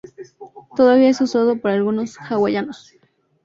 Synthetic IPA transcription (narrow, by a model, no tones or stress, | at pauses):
t̪oðaβiaesusoðopoɾalɣunosxawajanos